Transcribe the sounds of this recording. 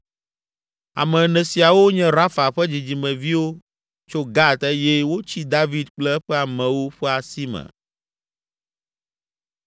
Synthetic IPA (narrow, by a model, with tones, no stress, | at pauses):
a̰˨mɛ̃˨nɛ̃˨si˨a˨wo˦ɲɛ̃˦ɾa˦fa˨ɸɛ˦d͡ʑi˨d͡ʑi˨mɛ̃˨vi˦wo˦ | t͡ʃo˦ɡa˦t̪ɛ˦jɛ˦wo˦t͡ɕi˦d̪a˦vi˦d̪̚k͡plɛ˦ɛ˦ɸɛ˦a˨mɛ̃˨wo˦ɸɛ˦a˨si˦mɛ̰̃˨